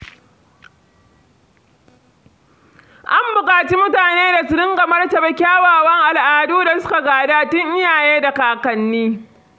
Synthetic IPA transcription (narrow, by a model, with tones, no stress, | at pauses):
ʔa˦mbʊ˨kʼaː˨t͡ʃi˦mʊ˦taː˨neː˦da˨sɪ˨ɾɪ˦ŋɡa˨mɐ˦rtɐ˨bɐ˦kʲaː˦waː˨wɐ˦ŋʔa˨lʔaː˨˦duː˦da˨sʊ˦ka˨ɡaː˨daː˦tʊ˦ŋʔɪ˦jaː˨jeː˦da˨kaː˦kɐ˨nːiː˦